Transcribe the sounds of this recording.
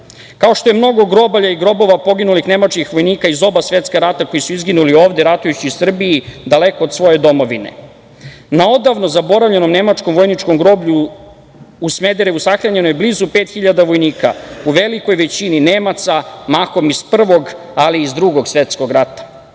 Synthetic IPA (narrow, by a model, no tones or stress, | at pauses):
kao̞ʃt̪ojemno̞ɡo̞ɡɾo̞baʎaiɡɾo̞bo̞ʋapo̞ɡinulixne̞mat͡ʃkixʋo̞jniːkaizo̞basʋe̞t̪skaɾat̪akojisuizɡinulio̞ːʋd̪eɾat̪ujut͡ɕiusr̩bijid̪ale̞ko̞ːd̪sʋo̞je̞d̪o̞mo̞ʋine̞̰ | nao̞d̪aʋno̞zabo̞ɾavʎe̞no̞mne̞mat͡ʃko̞mʋojnit͡ʃko̞mɡɾo̞ːbʎu | usme̞d̪eɾeusaxɾaɲe̞nojblizupeːt̪xiʎad̪aʋo̞jniːka̰uʋe̞liko̞jʋe̞t͡ɕininemat̪samaxo̞mispr̩ʋo̞ɡ | aliːzd̪ɾuɡo̞ɡsʋe̞t̪sko̞ɡɾat̪ḁ